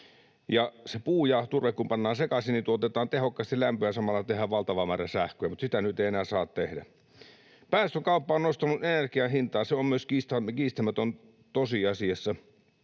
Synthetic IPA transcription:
jɑsepuːjɑt̪urʋekkumpɑnːɑːnsekɑsinit̪uot̪et̪ɑːnt̪ehokːɑst̪illæmpøjɑsɑmɑlːˑɑt̪ehæʋʋɑlt̪ɑʋɑmæːræsæhkøjæmut̪sit̪ænyt̪eˑienæːsɑːt̪t̪ehdæ̰ | pæːst̪økɑˑupːɑːonnost̪ɑnuʔenerkiɑhint̪ɑːnseommyøskiːst̪ɑkiːst̪æmæt̪on | t̪osiɑsiɑsːɑ

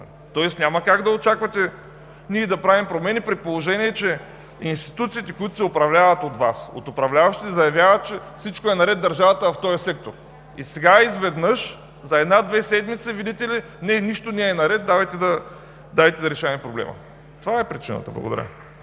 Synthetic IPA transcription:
t̪ɔɛsnʲamɐkaɡd̪ɐot͡ʃakvɐt̪ɛ | nʲiɛd̪ɐpɾavimpɾomɛnipɾɛt̪̚polˠoʒɛniɛt͡ʃɛ | inst̪i̥t̪ut̪siːt̪ɛkʊjut̪ʊ̥sɛopɾɐvlʲavɐt̪ot̪vaso̰t̪opɾɐvlʲavɐʃt̪it̪zɐjɐvʲjavət̪̚t͡ʃɛfsit͡ʃkoɛnɐɾɛd̪̚d̪ɐɾʒavɐt̪əvɐft̪ɔjɐsɛk̚t̪oɾ | isɛɡaizvɛd̪nɤʃ | zɐɛd̪nad̪vɛsɛd̪mit̪sɛvid̪ʲɛt̪ɛli | nɛniʃt̪onʲɛɛːnɐɾɛt̪̚d̪avɐjt̪ɛd̪ɐ | d̪avɛt̪ɛd̪ɐɾɛʃaɐmɛpɾoblɛ̰mɐ̰ | t̪ovaɛpɾit͡ʃinə̰t̪ə̰blˠɐ̰ɡod̪ɐ̰ɾʲə̰

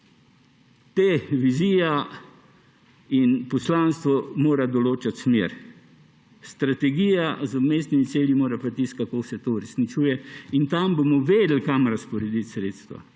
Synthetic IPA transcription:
t̪eːʋizija | inpɔslanst̪ʋɔmoːɾad̪ɔloːt͡ʃat̪smeːɾ | st̪ɾat̪ɛɡiːjazɔmeːsnimit̪seːljimoːɾapat̪iskakoːsɛt̪ouɾɛsnit͡ʃuːjɛint̪ambomɔʋeːd̪l̩kamɾaspɔɾɛd̪it̪sɾeːt̪st̪ʋa̰

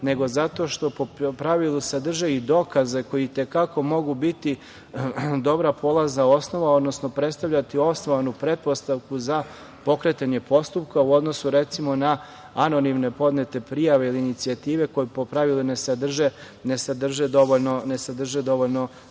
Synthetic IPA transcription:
ne̞ɡo̞zat̪o̞ʃt̪o̞popɾaʋilˠusad̪r̩ʒeid̪o̞kaze̞ko̞jit̪e̞kako̞mo̞ɡubit̪i | d̪o̞bɾapo̞lˠaznao̞sno̞ʋao̞d̪no̞sno̞pɾe̞t̪st̪aʋʎʲat̪io̞snoʋanupɾe̞t̪̚po̞st̪aʋkuza | po̞kɾet̪aɲe̞po̞st̪up̚kauo̞d̪nosuɾe̞t̪simo̞na | ano̞nimne̞po̞d̪ne̞t̪e̞pɾijaʋe̞iliːnit̪siat̪iːʋe̞ko̞jepo̞pɾaʋilˠinesad̪r̩ʒe | ne̞sad̪r̩ʒed̪o̞ʋoʎno̞ne̞sad̪r̩ʒed̪o̞ʋoʎno̞

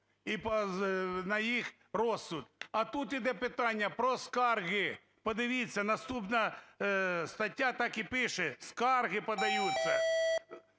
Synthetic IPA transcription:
ipɐnɐjix | rɔsːʊt̪ɐt̪ut̪id̪ɛpɪt̪ɑnʲːɐpɾɔskɑrɣɪ | pɔd̪ɪʋʲit͡sʲːɐnɐst̪upnɐ | st̪ɐtʲːat̪ɑkipɪʃɛskɑrɣɪpɐd̪ɐjut͡sʲːɐ

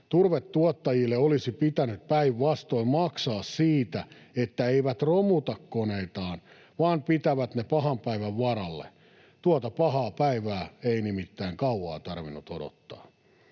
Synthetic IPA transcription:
t̪urʋet̪tuɔt̪ːɑjilːeolisipit̪ænyt̪̚pæiʋːɑst̪oimmɑksɑːssiːt̪æet̪ːæeiʋæt̪romut̪ɑkkoneit̪ɑːn | ʋɑːmpit̪æʋæt̪nepɑhɑmpæiʋæʋʋɑrɑlːḛ | t̪uot̪ɑpɑhɑːpæiʋæːeinimit̪ːæiŋkɑuwɑ̰ːt̪ɑrʋinːut̪odo̰t̪ːɑ̥̰ː

